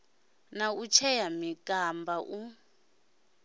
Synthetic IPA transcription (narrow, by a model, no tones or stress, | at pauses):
naut͡ʃʰɛjamikʼambʱaʔu